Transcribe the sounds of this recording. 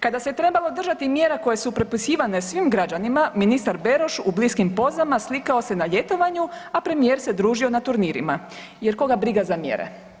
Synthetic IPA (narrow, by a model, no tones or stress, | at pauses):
kad̪aset̪ɾe̞balo̞d̪r̩ʒat̪imjeɾako̞je̞supɾepusiːʋane̞sʋimɡɾad͡ʑanimaminist̪aɾbe̞ɾo̞ʃubliskimpo̞zamaslikao̞se̞naʎe̞t̪o̞ʋaɲuapɾe̞mijeːɾse̞d̪ɾuːʒio̞nat̪uɾniːɾḭma | jeɾko̞ɡabɾiɡazamjḛɾḛ